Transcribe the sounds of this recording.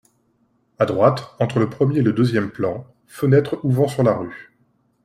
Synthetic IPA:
ad̪ʁwat̪ɑ̃t̪χələpχəmjeːləd̪øzjɛmplɑ̃ | fənɛt̪χuvɑ̃syʁlaʁy

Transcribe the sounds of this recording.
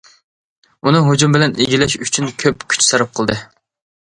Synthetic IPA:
unɨɦod͡ʒumbɪlɛneɡʲilɛʃyt͡ʃʰynkʲʰøpkʲʰy̥t͡ʃsɑɾɑp̚qʰəlˠd̪ɨ

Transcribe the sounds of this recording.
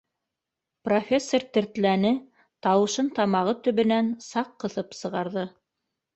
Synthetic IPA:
profʲesːort̪ɘ̆ɾt̪lænɘ | t̪ɑwɤ̆ʃɤnt̪ɑmɑʁɤt̪ɵ̆βɵ̆nænsɑqːɤ̆θɤpsɤ̆ʁɑɾðɤ

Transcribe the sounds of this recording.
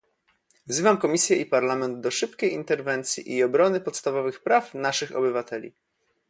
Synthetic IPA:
vzɘvamkɔmʲisʲjɛʔipaɾlamɛnd̪d̪ɔʂɘpkʲejint̪ɛɾvɛnt̪sʲjḭʔiɔbɾɔnɘpɔt̪st̪avɔvɘxpɾafnaʂɘxɔ̰bɘvat̪ɛlʲḭ

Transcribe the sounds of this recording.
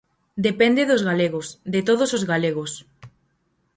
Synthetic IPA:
d̪epend̪eðozɣaleɣosðet̪oðosozɣaleɣos

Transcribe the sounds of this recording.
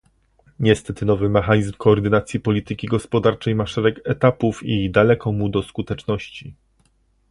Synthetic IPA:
ɲɛst̪ɛt̪ɘnɔvɘmɛxaɲizmkɔːɾd̪ɘnat̪sʲjipɔlʲit̪ɘkʲiɡɔspɔd̪aɾt͡ʂɛjmaʂɛɾɛkɛt̪apufid̪alɛkɔmud̪ɔskut̪ɛt͡ʂnɔɕt͡ɕi

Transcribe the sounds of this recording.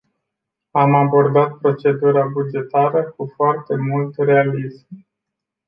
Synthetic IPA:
amabo̞rd̪at̪̚pɾo̞t͡ʃe̞d̪uɾabud͡ʒe̞t̪aɾəkufoart̪e̞mult̪re̞alizm

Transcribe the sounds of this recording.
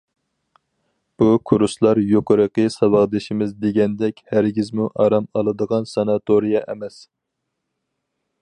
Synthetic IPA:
b̥ukʰuɾuslˠɑɾjoqəɾəqəsɑbɑʁd̪ɪʃimɪzd̪eɡʲɛnd̪ɛkʲhæɾɡʲizmuʔɑɾɑmɑlˠɨd̪əʁɑnsɑnɑt̪ʰoɾijɑʔɛmɛs

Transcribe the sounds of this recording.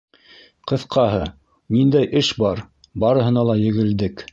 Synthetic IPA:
qɤ̆θqʰɑɦɤ | nind̪æjʔɘʃbɑɾ | bɑɾɤ̆ɦɤ̆nɑlˠɑjɘ̆ɡɘ̆ld̪ɘk

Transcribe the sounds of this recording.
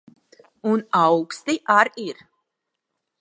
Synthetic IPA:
unawkst̪iʔaɾiɾ

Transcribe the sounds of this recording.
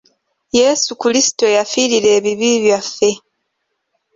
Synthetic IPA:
je̞sukulisi̥to̞jafiːɾile̞ːβiβiːβjafːe̞

